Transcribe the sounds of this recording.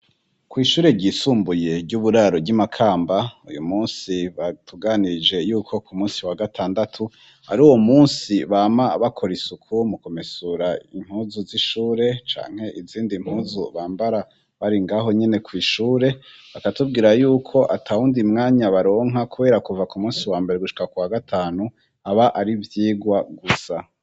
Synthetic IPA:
kwiːʃuːɾe̞ɾɟiːsuːmbuje̞bɟuβuɾaɾobɟimakʰaːmbaṵjṵmuːnsiβatʰuɡanid͡ʒe̞juːkʰo̞kumuːnsiwaɡatʰaːndatʰu | a̰ɾuːwo̞muːnsiβaːmaβakʰo̞ɾisukʰumuko̞mesuɾaḭm̥huːzuziʃuːɾe̞t͡ʃa̰ːŋ̥he̞ʔiziːndim̥huːzuβaːmbaɾa | βaɾiŋɡaɦo̞ɲe̞ne̞kwiːʃuːɾe̞βakatub̚ɡiːɾajuːkʰo̞ʔa̰tʰahundimŋaːɲaβaɾo̞ːŋakuβe̞ːɾakuvakumuːnsiwaːmbeɾeɡuʃi̥kakuwaɡatʰaːnu | aβaʔaɾivjiːɡwaɡusa

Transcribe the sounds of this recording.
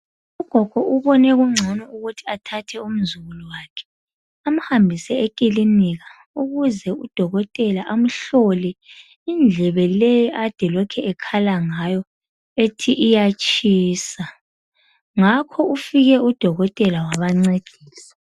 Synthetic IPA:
uɡ̥ʱɔɡ̥ʱɔʔuβɔnɛɣuŋ͡ǀʱɔnɔuɣutʰi̥atʰatʰɛum̩zuɣulɔwaːkʰɛ̥ | am̩hambʱisɛekʼiliniɣa | uɣuzɛud̥ʱɔɣɔtʼɛlaʔam̩ɬɔlɛ | ind͡ɮʱɛβɛlejiʔad̥ʱɛlɔkʰɛɛkʰalaŋajɔ | etʰiʔijat͡ʃʼiːsa | ŋakʰɔufiɣɛud̥ʱɔɣɔtʼɛlawaβaŋ͡ǀeɡ̥ʱiːsḁ

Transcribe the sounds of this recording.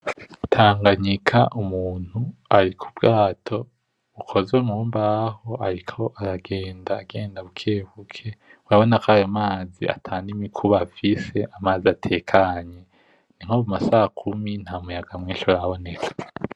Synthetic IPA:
utʰaːŋɡaɲikʰaʔumuːn̥huaɾikʰubɡaːtʰo̞ | ukʰo̞zeŋuːmbaho̞aɾikʰo̞ʔaɾaɡeːndaːɡe̞ːndaβukʰeːβukʰe̞uɾaβo̞nakʰajomaːzḭa̰tʰaːndimikʰuβafise̞ʔamaːziatʰe̞ːkʰaɲe | niŋ̥hoβumasaːkʰumin̥haumujaɡamŋiːʃoɾaβo̞net͡se̥

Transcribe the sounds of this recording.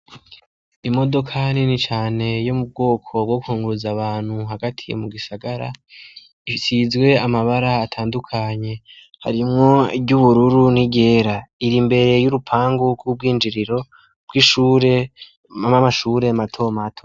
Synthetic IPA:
imo̞do̞kʰaninit͡ʃaːne̞jo̞mub̚ɡo̞ːkʰo̞b̚ɡo̞kuhuːŋɡuɾuzaβaːn̥huɦaɡatʰijḛmuɡisaɡaɾa̰ | isizɡwe̞amaβaɾaːtʰaːndukʰaɲe̞ | ha̰ɾimŋo̞ibɟuβuɾuɾuniɟe̞ːɾaiɾimbe̞ɾe̞juɾupʰaːŋɡuɡub̚ɡiːnd͡ʒiɾiɾo̞ | b̥̚ɡiʃuːɾe | amamaʃuːɾe̞matʰo̞matʰo

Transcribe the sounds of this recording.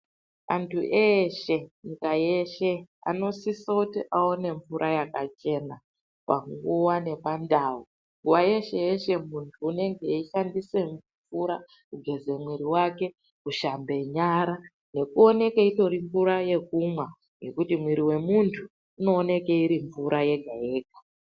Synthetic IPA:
a̰ntʰuʔeʃe̞ɲikaje̞ʃea̰no̞sisokutiʔaone̞ɱfuɾʔajakat͡ʃe̞na | pa̰ŋɡuwane̞pandawu | ŋɡuwaje̞ʃe̞jeʃe̞muntʰuːne̞ŋɡe̞iʃandise̞ɱ | fuɾa | kuɡʱe̞ze̞mwiɾiwake̞ | kuʃambe̞ɲaɾa | ne̞kuo̞ne̞keito̞ɾiɱvuɾaje̞kumwa | ŋje̞kutimwiɾiwe̞muntʰuː | no̞ːne̞keiɾiɱvuɾʔaje̞ɡʱaeːɡḁ

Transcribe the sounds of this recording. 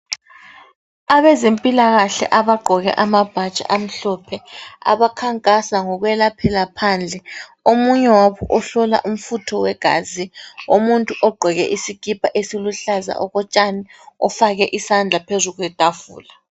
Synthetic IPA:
aβɛzempʼilaɣaɬɛ̰ʔaβaɡ͡ǃʱɔɣɛ̰ʔamab̥ʱḁt͡ʃʼa̰ʔam̩ɬɔpʰɛa̰βakʰaŋkʼasaŋɔɣwɛlapʰɛlapʰaːnd͡ɮʱɛ | omuɲɛwaβɔʔɔɬɔla̰ʔum̩futʰɔwɛɡ̥ʱa̰ːziomuntʼuʔɔɡ͡ǃʱɔɣɛ̰ʔisiɡ̥ʱipʼaʔesiluɬaza̰ʔɔɣɔt͡ʃʼaniɔfaɣɛʔisand͡ɮʱapʰezuɣwɛd̥ʱavṵːla

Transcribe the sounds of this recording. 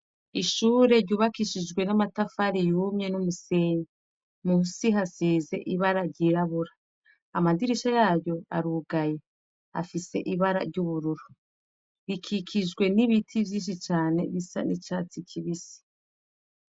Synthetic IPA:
iʃuːɾe̞ɾɟuːβakiʃid͡ʒɡwe̞namatafaɾijuːmɲe̞numuse̞ːɲa | muusiɦasiːze̞̰ʔiβaɾaɾɟiːɾaβuɾa | amadiɾiʃajaːjo̞a̰ɾuːɡaje | a̰fise̞̰ʔiβaɾa̰ɾɟuβuɾuɾu | βikʰikʰid͡ʒɡwe̞niβitʰivjiːʃ̬it͡ʃaːne̞βisa̰nit͡ʃat͡sikʰiβisi̥

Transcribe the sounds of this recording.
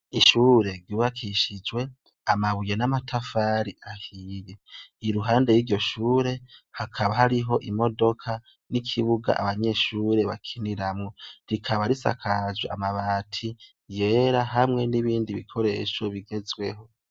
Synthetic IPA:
iʃuːɾe̞ɾɡuβakʰiʃid͡ʒwe̞ | amaβuje̞namatʰafaːɾiʔahije̞iɾuɦaːnde̞jiːɾɟo̞ʃuːɾe̞hakʰaβahaɾiɦo̞ʔimo̞do̞kʰa | nikʰiβuɡa̰ʔa̰βaɲe̞ːʃuːɾe̞βa̰kʰiniɾamŋo̞ɾikʰaβaɾisa̰kʰazwea̰maβaːtʰi | je̞ːɾaɦamŋe̞niβiːndiβikʰo̞ɾe̞ʃo̞βiɡe̞zwe̞ɦo̞

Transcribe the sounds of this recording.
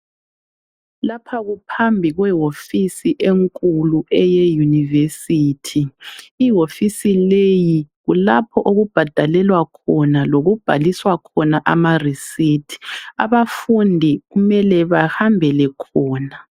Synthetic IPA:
lapʰaɣupʰambʱiɣwɛɦofisiʔeŋkʼuluɛjɛjunivesiːtʰiː | ɦofisilejiɣulapʰɔʔoɣub̥ʱad̥ʱalɛlwakʰɔnaloɣub̥ʱaliswakʰɔnaʔamarisitʰi̥a̰βafundʱiɣumɛlɛβahambʱɛlɛkʰɔːna

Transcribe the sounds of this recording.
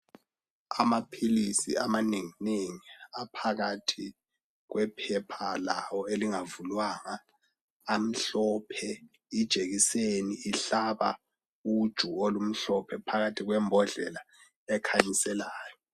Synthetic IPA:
amapʰilisḭamaneŋineŋiapʰaɣatʰi | ɣwɛpʰɛpʰalawɔeliŋavulwaŋaː | m̩ɬɔpʰɛ | id̥ʒ̥ʱeɣiseniiɬaβa̰ | ud̥ʒ̥ʱuolum̩ɬɔpʰɛpʰaɣatʰiɣwɛmbʱɔɮɛla | ɛkʰaɲisɛlaːjɔ

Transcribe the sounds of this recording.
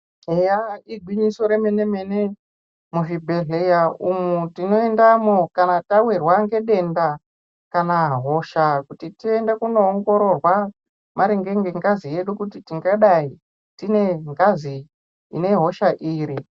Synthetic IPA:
ejaiɡʱwiɲisoɾeme̞ne̞mene̞ | muʐibʱe̞ɮejaumutino̞endamokanatawirwaŋɡe̞ɗe̞nda | kanaɦo̞ʃakutitiendekuno̞ːŋɡo̞ɾo̞rwa | maɾeŋɡe̞ŋɡeŋɡazije̞ɗukutitiŋɡaɗai | tine̞ŋɡazḭː | ne̞ɦo̞ʃaʔiːɾi

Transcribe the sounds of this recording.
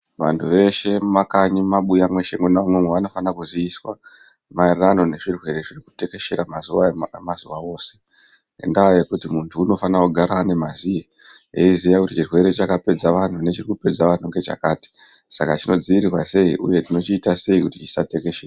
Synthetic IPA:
ʋa̰ntʰuʋe̞ʃe̞makaɲimaɓujamwe̞ʃe̞mwenamwemweʋano̞fanakuziːswa | marano̞ne̞ʐirwe̞ɾe̞ʐiriku̥te̞ke̞ʃe̞ɾamazuamazuwao̞ːse̞̥ | ḛndaːjekutimuntʰuːno̞fanakuɡʱaɾane̞mazije | jeizijakutit͡ʃirwe̞ɾe̞t͡ʃakape̞d͡zaʋan̤une̞t͡ʃirikupe̞d͡zaʋan̤uŋɡe̞t͡ʃa̰kaːti̥sakat͡ʃino̞d͡ziiɾirwase̞ḭʔṵje̞tino̞t͡ʃiːtase̞ikutit͡ʃi̥sate̞ke̞ʃera

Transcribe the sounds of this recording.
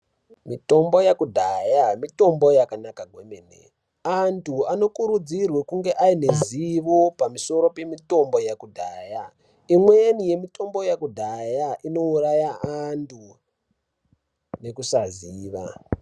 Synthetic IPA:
mito̞mbo̞jakudʱajamito̞mbo̞jakanakaɡʱwemenḛ | antʰuano̞kuɾud͡zirwekuŋɡe̞ʔaine̞ziʋopamiso̞ɾo̞pe̞mito̞mbo̞jakudʱaːja | imweenije̞mito̞mbo̞jakudʱajaʔino̞urajaantʰu | ne̞kusaziːʋa̰

